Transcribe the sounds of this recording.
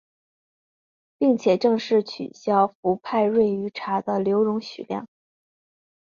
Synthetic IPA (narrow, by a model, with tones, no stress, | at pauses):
pi˥˩ŋt͡ɕʰjɛ˨˩ʈ͡ʂɤ˥˧ŋʂɻ̩˥˩t͡ɕʰy̰˨˩ɕjɑ˥ʊfu˧˥pʰa˥˧ɪɻwe˥˩ɪy˧˥ʈ͡ʂʰa˧˥d̪ə˧ljo˧˥ʊɻʊ˧˥ŋɕy̰˨˩ljɑ̰˥˩ŋ